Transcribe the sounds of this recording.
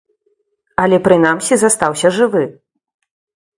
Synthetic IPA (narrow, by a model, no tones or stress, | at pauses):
ɐlʲɛpɾɨnamsʲizast̪awsʲɐʐɨvɨ